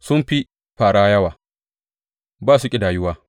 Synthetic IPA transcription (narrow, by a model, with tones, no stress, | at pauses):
sʊ˦mɸi˦ | ɸaː˨ɽaː˦jɐ˦waː˨ | baː˦˨s̬u˨kʲʼɪ˨daː˨jʊ˦waː˦